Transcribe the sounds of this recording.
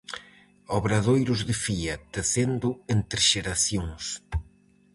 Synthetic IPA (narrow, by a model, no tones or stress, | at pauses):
ɔβɾaðojɾʊzðɪfiɐt̪eθend̪ʊent̪ɾɪʃeɾaθjoŋs